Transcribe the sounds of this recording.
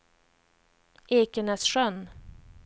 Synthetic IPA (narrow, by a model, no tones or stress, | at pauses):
eːkənɛsʂœn